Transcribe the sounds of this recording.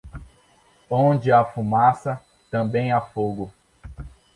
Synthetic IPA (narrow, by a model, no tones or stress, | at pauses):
õd͡ʒɪafumasɐ | t̪ɐ̃bẽj̃afoɡʊ